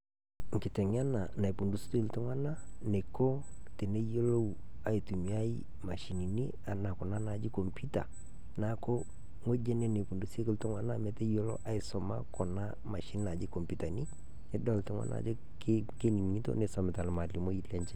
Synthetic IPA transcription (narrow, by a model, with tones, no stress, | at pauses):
ŋ̩˨kɪ˨tɛ˨ŋ˦a˦na˨na˨i˨pu˨ndu˨sto˦i˦ltʊ˦ŋwa˦na˦ne˨ko˦te˨ne˦jo˦lo˦˨ | a˨i˨tu˨mi˨˦a˦i˦ | ma˨ʃi˨ni˨ni˦ | a˨na˨kɔ˨na˦na˨d͡ʒɪ˦ko˨mpu˦ta̰˨ | na˦ko˦ | ŋo˦d͡ʒe˦ne˦ne˨pu˨ndu˨se˦kɪ˦ltʊ˦ŋwa˦na˦mɛ˦tɛ˦jo˦lo̰˦ʔa˦ɪ˨sɔ˨ma̰˦kɔ˨na˦ | ma˨ʃi˦n˦na˨d͡ʒɪ˦kɔ˨mpu˨ta˨ni˦ | ɪ˦dɔ˦ltʊ˦ŋwa̰˦nʔa̰˨d͡ʒo˦ | k | ke˦ni˨n˨ŋi˦to̰˦ne˨sɔ˨mɪ˨ta˨lma˨li˨mo˦i˦lɛ˦ɲt͡ʃɛ˦